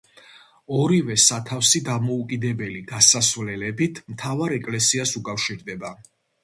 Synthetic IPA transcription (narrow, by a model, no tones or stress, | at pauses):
ɔɾivɛsat̪ʰafsid̪amɔukʼid̪ɛbɛliɡasasvlɛlɛbit̪ʰmt̪ʰavaɾɛkʼlɛsiasukʼafʃiɾd̪ɛba